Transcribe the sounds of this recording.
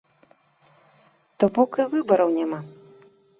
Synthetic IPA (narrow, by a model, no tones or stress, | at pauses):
t̪ɔbɔkɨvɨbɐɾɐwnʲɛma